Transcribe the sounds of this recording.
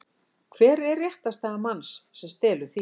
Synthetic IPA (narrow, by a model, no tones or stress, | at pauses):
kʰvɛːɾɛɾeht̪ast̪aːɣamansːɛmst̪ɛːlʏ̥θi